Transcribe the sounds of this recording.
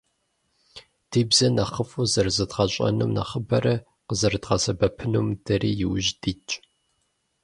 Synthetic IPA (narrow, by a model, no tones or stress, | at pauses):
d̥iːbzɐnɐχəfʼuzɐrzɨdʁɐɕʼɐ̰nṵmnɐ̰χəbɐɾɐ | qəzɐrdʁɐsɐbɐpʰɨnumdɐriːjɪwʒdiːt͡ʃʼ